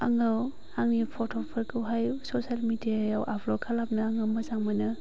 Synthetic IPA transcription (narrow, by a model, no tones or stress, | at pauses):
aŋɯw | haŋnipʰotʰopʰɐɾkʰɯwɦajsosalmidijajawʔapʰlokʰalap̚nɯaŋɯmɐzaŋmanɯ